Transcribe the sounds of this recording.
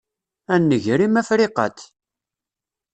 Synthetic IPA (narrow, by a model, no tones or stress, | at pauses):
ænːəʝɾimæfɾiqə̰t̪